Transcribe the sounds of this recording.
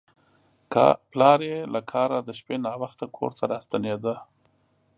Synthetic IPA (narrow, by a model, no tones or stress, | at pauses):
plɑɾelakʰɑɾad̪əʃpenɑwaxt̪akʰo̰ɾt̪ʰaɾɑst̪aned̪ə